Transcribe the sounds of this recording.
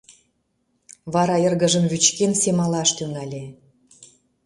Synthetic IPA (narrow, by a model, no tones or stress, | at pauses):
βɑɾɑjərɣə̆ʒəmβyt͡ɕkensemɑlɑʃt̪yŋɑlʲe